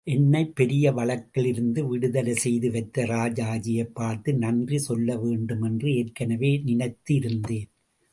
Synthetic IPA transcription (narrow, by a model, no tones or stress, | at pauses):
ʔɛnːɐɪpːɛɾɪjɐʋɐɭɐkːɐɭɪɾɯnd̪ɯʋɪɽɯðɐlɐsɛjðɯʋɐɪt̪ːɐɾaːd͡ʒaːd͡ʒɪjɐɪpːaːɾt̪ɯnɐndrisɔlːɐʋeːɳɖɯmɛndrɯeːrkːɐnɐʋeːnɪnɐɪt̪ːiɪɾɯnd̪eːn